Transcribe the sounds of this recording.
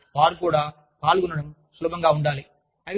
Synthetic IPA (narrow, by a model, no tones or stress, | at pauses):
paːɾkuːɽaː | paːlɣɯnɐɽɐm | sʊlɐbɐŋɡaːʊɳɖaːle | ɐ